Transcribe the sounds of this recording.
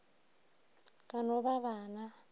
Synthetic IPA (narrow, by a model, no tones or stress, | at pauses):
kʼanɔβaβaːna